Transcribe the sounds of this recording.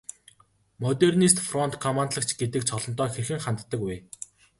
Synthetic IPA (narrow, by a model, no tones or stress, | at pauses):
mɔt̪ernist̪frɔnt̪kʰɔmant̪ɮə̆kt͡ɕʰɡet̪ɘ̆k̚t͡ɕʰɔɮɞ̆nt̪ɔːxerxɘ̆ŋχant̪ːə̆kweː